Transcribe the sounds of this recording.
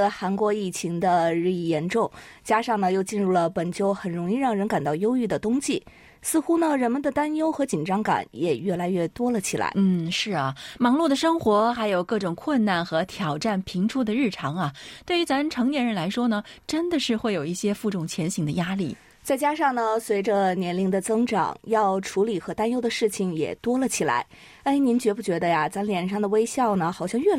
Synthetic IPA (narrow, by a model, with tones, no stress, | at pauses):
xa˧˥nkwɔ˧˥i˥˩t͡ɕʰi˧˥ŋd̪ə˧ɻ̩˥˧i˥˩jɛ˧˥nʈ͡ʂʊ˥˩ŋt͡ɕja˥ʂɑ˥˩ŋnə˩jo˥˧ʊt͡ɕi˥˧nɻu˥˩lə˩pə˨˩nt͡ɕjo˥˩ʊxə˨˩nɻʊ˧˥ŋi˥˧ɻɑ˥˩ŋɻə˧˥nka˨˩nt̪ɑ˥˩ʊjo˥ʊy˥˩d̪ə˩t̪ʊ˥ŋɕi˥˩ | sɹ̩˥˧xu˥nə˨ɻə˧˥nmə˨nd̪ə˨t̪a˥njo˥ʊxɤ˧˥t͡ɕi˨˩nʈ͡ʂɑ˥ŋka̰˨˩˦njɛ˨˩ɥɛ˥˩la˧˥ɪɥɛ˥˩t̪wɔ˥lə˨t͡ɕʰi˨˩la̰˧˥ɪn̩˥˩ʂɻ̩˥˩ɐ˩mɑ˧˥ŋlu˥˩d̪ə˩ʂɤ˥ŋxwɔ˧˥xa˧˥ɪjo˨˩ʊkɤ˥˩ʈ͡ʂʊ˨˩ŋkʰwə˥˧nna˥˩nxɤ˧˥t̪ʰjɑ˨˩ʊʈ͡ʂa˥˩npʰi˧˥ŋʈ͡ʂʰu˥d̪ə˨ɻɻ̩˥˩ʈ͡ʂʰɑ˧˥ŋɐ˨t̪we˥˩ɪy˧˥t͡sa˧˥nʈ͡ʂʰɤ˧˥ŋnjɛ˧˥nɻə˧˥nla˧˥ɪʂwɔ˥nə˨˩ʈ͡ʂə˥nd̪ə˨ʂɻ̩˥˧xwe˥˩ɪjo˨˩ʊi˥˩ɕjɛ˥fu˥˧ʈ͡ʂʊ˥˨˩ŋt͡ɕʰjɛ˧˥nɕi˨˥ŋd̪ə˧ja˥lḭ˥˩ | t͡sa˥˩ɪt͡ɕja˥ʂɑ˥˩ŋnə˩swe˧˥ɪʈ͡ʂə˧njɛ˧˥nli˧˥ŋd̪ə˨t͡sɤ˥ŋʈ͡ʂɑ̰˨˩ŋjɑ˥˩ʊʈ͡ʂʰu˧˥li˨˩xɤ˧˥t̪a˥njo˥ʊd̪ə˨˧ʂɻ̩˥˩t͡ɕʰi˨˩ŋjɛ̰˨˩t̪wɔ˥lə˨t͡ɕʰi˨˩la̰˧˥ɪ | e˥˩ɪni˧˥nt͡ɕɥɛ˧˥pu˥˩t͡ɕɥɛ˧˥d̪ə˧ja˧t͡sa˧˥nljɛ˨˩nʂɑ˥˩ŋd̪ə˩we˥ɪɕjɑ˥˩ʊnə˩xɑ˨˩ʊɕjɑ˥˧ŋɥɛ˥˩